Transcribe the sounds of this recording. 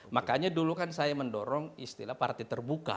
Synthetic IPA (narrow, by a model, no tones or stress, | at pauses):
makaɲadulukansajaməndɔɾɔŋist̪ḭlahpa̰rt̪it̪ərbuka̰